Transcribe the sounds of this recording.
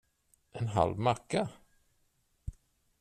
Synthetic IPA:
ʔɛnɦa̰lvmakːa

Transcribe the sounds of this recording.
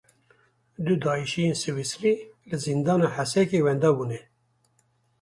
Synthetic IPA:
d̪ud̪ɑːiʃijeːnsɨwisɾilɨzind̪ɑːnɑːħæsɛkeːwɛnd̪ɑːbunɛ

